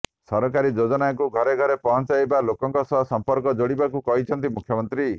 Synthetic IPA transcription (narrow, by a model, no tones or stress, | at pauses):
sɔɾɔkaɾid͡ʒod͡ʒɔnakuɡʱɔɾeɡʱɔɾepɔɦɔnt͡ʃajbalokɔŋkɔsɔɦɔsɔmpɔɾkɔd͡ʒoɽibakukɔɦit͡ʃʰɔnt̪imukʰjɔmɔnt̪ɾi